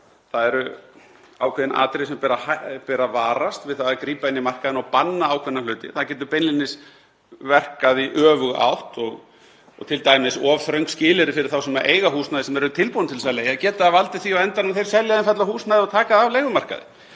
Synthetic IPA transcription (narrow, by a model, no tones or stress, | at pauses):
θaðɛɾʏ | awkʰɛːðɪnʔa̰ːt̪ɾeɪsɛmpɛːɾahapɛːɾavaːɾast̪vɪðθaðakɾiːpaɪnːimar̥kaðɪnɔɣpanːaawkʰvɛnalœːɥt̪ɪ̰θaðcɛːt̪̬ʏɾpejnlinɪs | vɛr̥kaðiʔœːvʏɣa̰wht̪ɔɣ | ɔt̪ʰɪlt̪aːjmɪsɔːvθɾœɥjŋkscɪːlɪɾɪfɪɾɪɾ̥θawsɛmaɾʔḛːjɣaɦuːsnajðɪsɛmɛɾʏt̪ʰɪlpuːnt̪ʰɪlsɛljajacɛːt̪aðavalt̪ɪ̥θiawɛnt̪aɾnaθejɾ̥sɛljaðɪnfat̪lahuːsnaðɔɣt̪ʰaːkaðɪavleːjɣʏmar̥ka̰ðɪ̰